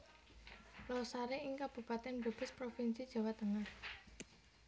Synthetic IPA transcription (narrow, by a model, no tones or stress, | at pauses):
lɔsaɾeɪŋkab̥ṳpat̪ɛnbə̤b̥ə̤spɾofinsid̥ʒ̥a̤wat̪əŋah